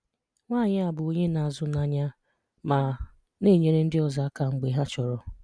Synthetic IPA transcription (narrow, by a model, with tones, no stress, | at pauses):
ŋʷaː˦˨ɲɪ˦a˨bʊ˨o˦ɲe˦na˨a˨zʊ˦na˨ɲa˦ | ma˨ | ne˦˨ɲe˨ɾe˦n̩˦dɪ˦ɔ˦za˨a˦ka˨ŋ͡m̩˨ɡ͡be˨ɦa˦t͡ʃɔ˨ɾɔ˨